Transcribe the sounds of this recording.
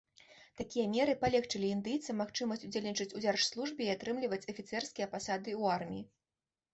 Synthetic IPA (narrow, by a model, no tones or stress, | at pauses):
t̪akʲijɐmʲɛɾɨpalʲɛxt͡ʂɨlʲiːnd̪ɨjt̪sɐmaxt͡ʂɨmɐsʲtt͡sʲud͡zʲelʲnʲit͡ʂɨt͡sʲuzʲarʂslˠuʐbɨːat̪ɾɨmlʲivɐt͡sʲɐfʲit̪sɛrskʲijɐpasad̪ɨuarmʲiji